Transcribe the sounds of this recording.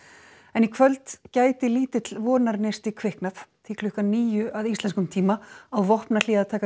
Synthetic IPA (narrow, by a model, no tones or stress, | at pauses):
ɛnikʰvœlt̪caːjt̪ɪliːt̪ɪt̪lvɔːnaɾnɪst̪ikʰvɪhknaθt̪ʰiklʏhkaniːjʏʔaðist̪lɛnskʏmt̪ʰiːmaawvɔhpnal̥iːðat̪ʰaːka